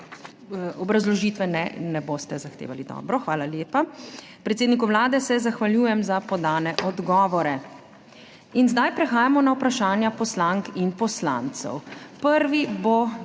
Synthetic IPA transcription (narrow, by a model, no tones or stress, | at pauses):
ɔbɾazlɔʒiːt̪ʋɛnɛ̰nɛboːst̪ɛzaxt̪ḛːʋalid̪ɔ̰ːbɾɔxʋaːlaljeːpa | pɾɛt̪seːd̪nikuʋlaːd̪ɛsɛzaxʋaljuːjɛmzapɔd̪aːnɛʔɔd̪ɡɔːʋɔɾɛ | inzd̪ajpɾɛxaːjamɔnawpɾaʃaːnjapɔslaŋkinpɔsla̰nt̪sɛ̰wpəɾʋibo